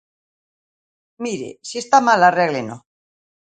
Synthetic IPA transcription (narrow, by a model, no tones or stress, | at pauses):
miɾḛsie̞st̪amalareɣleno̰